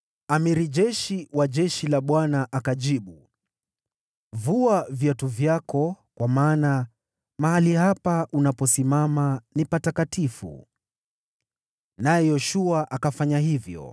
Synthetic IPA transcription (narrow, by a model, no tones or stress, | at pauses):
amiɾiʄɛʃiwaʄɛʃilaɓwanaʔakaʄiɓu | vuavjatuvjakɔkwamaːna | mahalihapaʔunapɔsimamanipatakatifṵ | najɛjɔʃuaʔakafaɲaɦivjɔ̰